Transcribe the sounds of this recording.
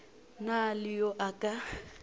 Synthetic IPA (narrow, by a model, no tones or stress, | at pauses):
nalɪjoʔakʼa